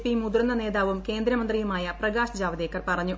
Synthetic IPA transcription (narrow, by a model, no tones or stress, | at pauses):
pimud̪ɾɐnːɐne̞ːðaːʋumke̞ːnd̪ɾɐmɐnd̪rijumaːjɐprɐɡaːɕɐd͡ʑaːʋɐðekːɐrpɐrɐɲːu